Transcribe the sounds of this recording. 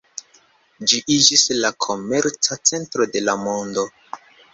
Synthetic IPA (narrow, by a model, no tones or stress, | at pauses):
d͡ʒiʔid͡ʒislakʰo̞me̞ɾt͡sat͡se̞ntɾo̞de̞lamo̞ndo̞